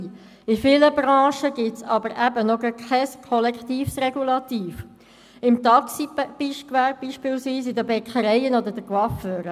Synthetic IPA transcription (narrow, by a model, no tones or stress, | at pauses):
ifɪləbɾɑ̃ːʃəɡ̥ɪtsɑbəɾʔæbənɔɡəkʰɛskʰɔlɛkt̪iːfsrɛɡulɑt̪iːf | ɪmt̪ɑksib̥iʃkʋæɾb̚b̥iːʃpɪːlsʋiːsɪdəbɛkχəɾɛjənɔd̪ədəɡwɑføːɾə